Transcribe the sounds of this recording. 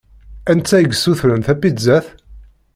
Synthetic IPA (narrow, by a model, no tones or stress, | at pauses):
ænt͡sːæjəɡsːuθɾənθæpːizæθ